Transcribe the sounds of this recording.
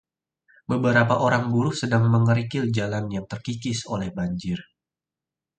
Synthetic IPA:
bəbəɾapaʔoɾaŋbuɾʊsədaŋməŋəɾikɪld͡ʒalanjaŋt̪ərkikɪso̰lɛhbaɲd͡ʒɪr

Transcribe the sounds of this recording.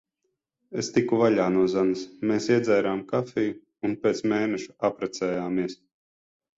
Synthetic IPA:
est̪ikuvaʎʲaːnuɔzanɨsmeːsiɛd̪zæjɾaːmkafʲɛju | unpʲeːt̪smeːnɛʃu̥apɾat̪sɛːjaːmiɛs

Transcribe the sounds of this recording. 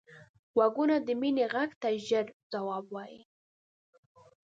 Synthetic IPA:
waɡunad̪əmineɣaɡt̪aʒəɾd͡zawɑbwɑjḭ

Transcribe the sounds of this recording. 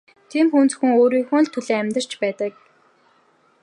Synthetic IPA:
t̪ʰiːmxunt͡sxŭŋoːɾiːxʊ̆ɮt̪ʰːɵɮeːæmʲt̪ə̆r̥t͡ɕpæːt̪ə̆k̚

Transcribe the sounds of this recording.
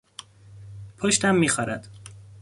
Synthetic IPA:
pʰoʃt̪æmːiːxɒːɾæ̰d̪̥

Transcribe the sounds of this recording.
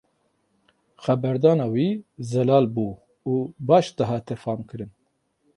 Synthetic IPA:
xɛbɛɾd̪ɑːnɑːwiːzɛlɑːlbuː | uːbɑːʃd̪ɨɦɑːt̪ʰɛfɑːmkɨɾɨn

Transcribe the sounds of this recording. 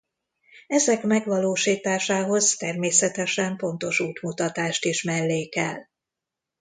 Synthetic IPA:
ɛzɛkmɛɡʋɒloːʃiːt̪aːʃaːɦo̞zt̪ɛrmeːsɛt̪ɛʃɛmpo̞n̪t̪o̞ʃuːt̪mut̪ɒt̪aːʃt̪iʃmɛlːeːkɛ̰l

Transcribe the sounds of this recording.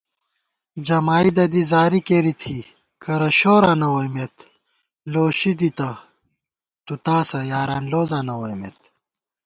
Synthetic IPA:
d͡ʑɐmaːid̪ɐd̪izaːɾikeɾit̪ʰi | kɐɾɐɕoːɾanɐwojmet̪ | loːɕid̪it̪ɐ | t̪ut̪aːsɐjaːɾaːnloːzanɐwojmḛt̪

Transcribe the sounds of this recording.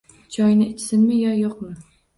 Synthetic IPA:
t͡ʃʰɒjnɪɪt͡ʃʰsɪnmɪjɒjoqmɪ

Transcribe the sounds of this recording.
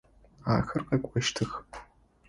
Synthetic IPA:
a̰ːxɨrqʼɐkʷʼaʃtʰɨx

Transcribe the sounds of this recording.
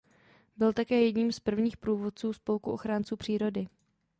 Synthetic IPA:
bɪlt̪akɛːjɛdɲiːmspr̩vɲiːxpɾuːvo̞t̪̚t͡suːspo̞lkuʔo̞xɾaːnt͡suːpr̝̥iːɾo̞dɪ

